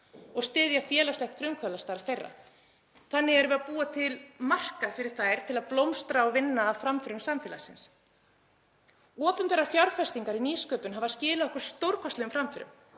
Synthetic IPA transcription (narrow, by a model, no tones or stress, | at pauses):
ɔɣst̪ɪːðjafjɛːlaslɛht̪fɾʏmkʰvœlast̪alθejrːa̰ | θanːɪɣɛɾvɛðapuːat̪ʰɪlmar̥kafɪɾɪɾ̥θaːjɾ̥t̪ʰɪlaðplowmst̪ɾaɔvɪnːaːfɾamfɪɾʏmsamfɛːlasɪns | ɔːpʏmpɛːɾafjawɾ̥fɛ̥st̪iŋkaɾiniːskœːpʏnɦavaðscɪːlɪɔhkʏɾ̥st̪owɾkɔst̪lɛʏmfɾamfɪɾʏ̰m